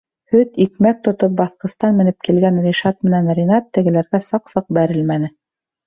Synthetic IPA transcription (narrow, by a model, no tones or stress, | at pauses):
hɵt̪ik̚mæk̚t̪ŏt̪op̚bɑθqɤ̆st̪ɑnmɘ̆nɘp̚kilɡænrʲiʃɑt̪̚mɘ̆nænrʲinɑt̪ːɘ̆ɡɘ̆læɾɡæsɑqsɤq̚bæɾɘlmænɘ